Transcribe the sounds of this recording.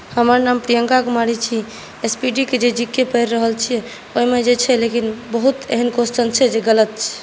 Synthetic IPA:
həməɾnampɾijəŋkakemaɽit͡ʃʰi | espiɖiked͡ʒed͡ʒikːepəjɾːəɦəlt͡ʃʰijɛ | oɦimed͡ʒet͡ʃʰɛlekinbəɦut̪eɦənkosʈənt͡ʃʰɛd͡ʒeɡələt̪̚t͡ʃʰɛ̥

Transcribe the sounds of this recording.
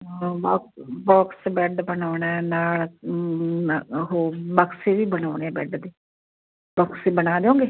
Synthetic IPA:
baːbɔːksbɛːɖbənaːɳaɛːnaːl | ɦoːbəkseːʋiːbənaːɽ̃eːbɛːɖd̪eː | bɔːksebənaːd̪eõːŋɡeː

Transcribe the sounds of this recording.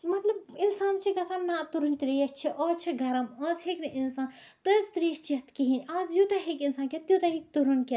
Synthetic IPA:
mɐt̪lɐb̚insaːnt͡ʃʰiɡɐsanːat̪uɾunʲt̪ɾiʃt͡ʃʰiʔɔːt͡ʃʰiɡɐɾɐmɔːsheknɨʔinsaːnt̪əzt̪ɾiʃt͡ʃʰit̪kiɦĩnaːzjut̪ɐɦekinsaːnket̪jut̪ɐɦik̚t̪uɾunke

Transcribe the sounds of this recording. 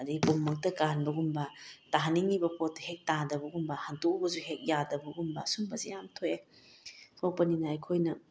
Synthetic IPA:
ɐdiɡipomːɐk̚tɐkanbɐɡumbɐtaɦaniŋibɐpot̚ːɐhek̚tadɐbɐɡumbɐhantok̚bɐzuɦek̚jadɐbɐɡumbɐsumbɐzejamtʰoje | tʰowpɐninaɐjkʰojnɐ

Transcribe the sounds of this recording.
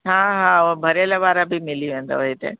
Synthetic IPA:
ɦãːɦãobʱɐɾelaʋaːɾabʱimɪliʋẽːnd̪a̰ʋoɦit̪ḛ

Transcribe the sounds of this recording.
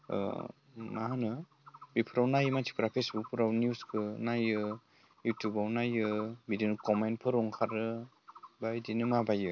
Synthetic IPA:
maɦanɯ | bipʰɯɾawnajmatʰi̥kʰɾapʰesbuk̚pʰɯɾawnjuskʰɯnajɯ | jutjubawnajɯbidinɯkɔmentpʰɯɾɔŋkʰaɾɯ | bajdinɯmabajɯ

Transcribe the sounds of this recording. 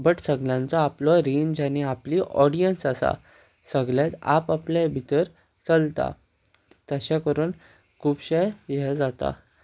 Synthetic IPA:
bəʈsəɡljãnt͡sɔaplɔɾind͡ʑañiapliːʔɔɽijənsasa̰ | səɡljat̪a̰paplɛ̃bʱit̪əɾ | t͡səlt̪a̰ | t̪əɕɛ̃kəɾuːn | kʰupɕəjjɛd͡zat̪a̰

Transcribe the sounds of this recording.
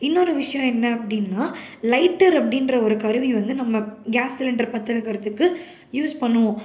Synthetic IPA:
ɪnːɔɾɯʋɪʂɐjɔ̃ɛnːɐɐpːɐɽɪnːaː | lɐɪʈːɐɾɐpːɐɽɪnɾɐɔɾɯkɐɾɯʋiʋɐnd̪ɯnɐmːɐɡaːsɪlɛɳɖrɾɐpɐt̪ːɐlɐkɐɾɐt̪ːɯkːɯ | juːspɐɳːɯʋõ

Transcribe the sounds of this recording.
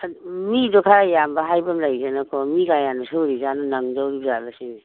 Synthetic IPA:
midɔkʰaɾajambaɦajbamlajzenakʰɔmiɡajanasɯwɾizanɔnaŋdawɾibzalasim

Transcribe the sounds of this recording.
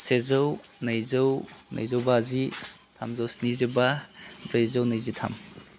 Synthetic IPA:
sezawnɐjzawnɐ̰jzawbaːzi | tʰa̰mzawsnizibabɾejzawnajzitʰa̰m

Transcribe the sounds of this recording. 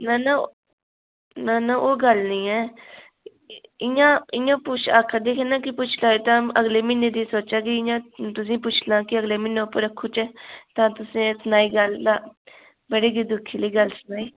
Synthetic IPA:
naːna | naːnãʔoːɡəlnĩːɛː | ɪjãːɪjãːput͡ʃʰa̰ːkʰad̪eːkʰenaːkipʊːt͡ʃʰlaːet̪ãəɡleːmɪnẽd̪isoːt͡ʃakiɪ̃jãːt̪ʊs̬ĩːpʊt͡ʃʰlãːkiəɡlemɪnːepəɾəkʰːot͡ʃɛːt̪ãːt̪ʊsĩːsʊnaːiːɡəld̪aː | bəɽeːɡid̪ʊkʰːiːləiːɡəlsʊnaːiː

